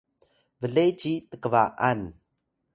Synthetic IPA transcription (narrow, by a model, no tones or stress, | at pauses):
vəɮejt͡ɕitəkəvaʔan